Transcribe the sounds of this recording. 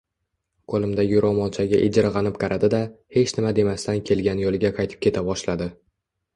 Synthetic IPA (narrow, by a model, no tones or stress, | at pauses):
kʰolˠɪmd̪aɡʲɪʊɾɒmɒlˠt͡ʃʰaɡʲaʔɪd͡ʒɪɾʁɑnɪpqʰɑɾʔad̪ɪd̪ahe̞t͡ʃnɪmad̪e̞mast̪ankʲʰe̞lɡʲanjolˠɪɡʲaqʰɑjt̪ʰɪ̥pkʲʰe̞t̪ʰabɒʃlad̪ɪ